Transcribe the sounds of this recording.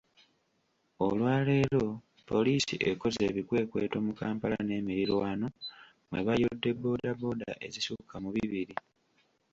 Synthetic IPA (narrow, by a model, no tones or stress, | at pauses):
olwaːle̞ːlo̞ | po̞liːsḭʔḛko̞ze̞ːβikwe̞ːkwe̞ːto̞ːmukaːmpalane̞ːmiɾilwaːno̞ | mwe̞̰βajo̞dːe̞bːo̞ːdabo̞ːda̰ʔe̞̰zisukamuβiβiɾi